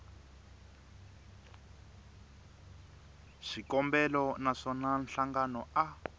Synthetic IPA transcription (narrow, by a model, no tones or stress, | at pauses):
ʃikɔmbɛlɔnaʂɔnanɬaŋɡanɔa